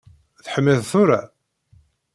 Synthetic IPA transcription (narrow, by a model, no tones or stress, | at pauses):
θħəmːiðθʊɾa